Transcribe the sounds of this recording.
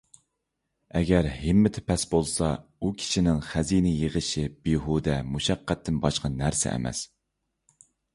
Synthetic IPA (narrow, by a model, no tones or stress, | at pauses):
ɛɡʲɛɾhɪmːɪt̪ʰɪ̥pʰɛsbolˠsɑukʲʰi̥ʃinɪŋχæzinɪjeʁəʃib̥iɦud̪ɛmuʃæqːæt̪ʰːɪnbɑʃqɑnæɾsɛ̰ʔɛ̰mɛ̰s